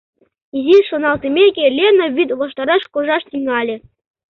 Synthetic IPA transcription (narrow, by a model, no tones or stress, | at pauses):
iziʃonɑlˠt̪emʲekʲelʲenoβʲit̪βoʃt̪ɑɾɑʃkoʒɑʃt̪ʲiŋɑlʲĕ